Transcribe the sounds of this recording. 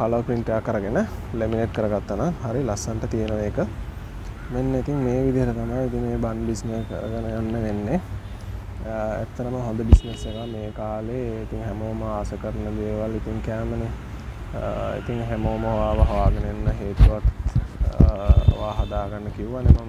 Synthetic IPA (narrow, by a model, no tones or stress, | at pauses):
kaləʋpɾiɳʈejakːəɾəɡenəlemineʈkəɾəɡat̪ːənaŋɦaɾilasanʈət̪ijənoʋeːkə | menːeit̪iŋmeːʋid̪iɦəʈət̪amajit̪iŋmeːbanbisnekə̰ɾə̰ɡənəɡanːəʋenːe | æ̰t̪ːəɾəməɦond̪əbisnesekameːkaːleit̪iŋɦæmoːməaːsəkəɾnəd̪eːʋalit̪iŋkæːməne | ḭt̪iŋɦæmoːməɦoʋaːʋəɦoʋaːɡənəenːəɦeːt̪uʋak | ʋaːɦad̪aːɡanːəkiuʋanemon